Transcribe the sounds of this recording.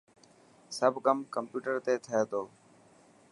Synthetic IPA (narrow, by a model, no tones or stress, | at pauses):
səbʱkəmkəmpjuːʈəɾt̪eːt̪ʰəjeːt̪ʰoː